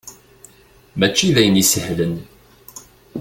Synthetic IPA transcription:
mæt͡ʃːiðæjənisəhlən

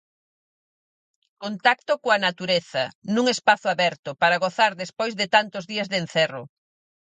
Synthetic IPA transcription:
kont̪akt̪ʊkoanat̪uɾeθɐnũŋespaθʊaβɛɾt̪ʊpaɾaɣoθaɾðespojzðɪt̪ant̪ʊzðiɐzðenθɛrʊ̰

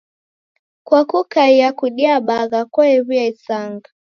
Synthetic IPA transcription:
kwakukaijakuɗiaɓaɣakɔɛβiaisaŋɡa

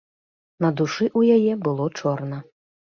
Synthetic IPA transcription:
nɐd̪uʂɨʔujajɛbɨlˠɔt͡ʂɔrnɐ

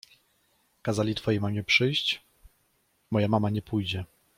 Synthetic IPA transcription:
kazalʲit̪fɔjejmamʲjɛpʂɘjɕt͡ɕ | mɔjamamaɲɛpujd͡ʑɛ

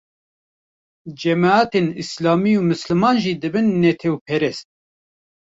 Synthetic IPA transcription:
d͡ʒɛmaaːt̪enislɑːmiuːmɨslɨmɑːnʒiːd̪ɨbɨnːɛt̪ʰɛwpʰɛɾɛst̪̚

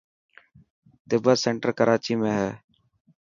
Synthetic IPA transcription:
t̪ɪbəsẽːɳʈəɾkəɾʔaːt͡ʃiːmẽːɦɛː

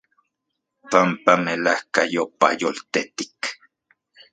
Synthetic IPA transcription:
pampamelahkajopa̰jolt̪et̪i̥k

